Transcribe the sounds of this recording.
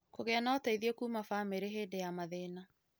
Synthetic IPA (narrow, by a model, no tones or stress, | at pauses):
koɣɛanaɔtaiðiɔkuːmafameɾeɦedejamaðeːna